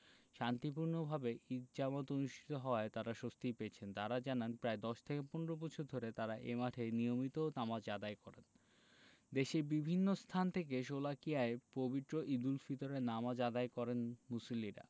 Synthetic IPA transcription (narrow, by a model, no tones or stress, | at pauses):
ʃant̪ipuɾnobʱabeid͡ʑamot̪onuʃʈʰi̥t̪oɦɔoaet̪aɾaʃost̪ipeːt͡ɕʰent̪aɾad͡ʑananpɾaed̪ɔʃt̪ʰekepɔneɾobɔt͡ɕʰuɾd̪ʱoɾet̪aɾaʔemaʈʰenijomit̪onamad͡ʑad̪aekɔɾen | d̪eʃebibʱinːost̪ʰant̪ʰek̬eʃ̬olakiaepobit̪ːɾoʔid̪ulfit̪oɾeɾnamad͡ʑad̪aekɔɾenmusoliɾa̰